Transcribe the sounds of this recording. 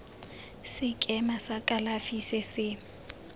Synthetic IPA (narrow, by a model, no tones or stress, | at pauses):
sɪkʼɛmasakʼalafisɪsɪ